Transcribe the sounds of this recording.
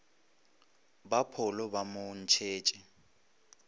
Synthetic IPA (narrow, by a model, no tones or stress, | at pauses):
bapʰɔlɔbamʊn̩t͡ʃʰeːt͡ʃʼɪ